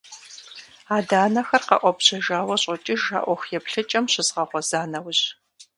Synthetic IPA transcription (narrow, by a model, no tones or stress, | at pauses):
aːdaːnɐxɐrqɐ̰ʔʷɔpɕɐʒaːwɐɕʼɔt͡ʃʼɪʒa̰ːʔʷɔxjɛpɬɨt͡ʃʼɐmɕɪzʁɐʁʷɔz̥aːnɐwʑ